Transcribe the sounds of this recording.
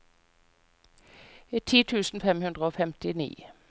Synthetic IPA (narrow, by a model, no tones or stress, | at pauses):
iːt̪ʰiːt̪ʰʉːsn̩fɛmhʉnd̪ʁəoːfɛmt̪ɪnḭː